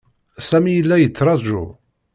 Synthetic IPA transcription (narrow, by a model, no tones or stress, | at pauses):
sæmijəlːæjət͡sːɾˤɑˤʒṵ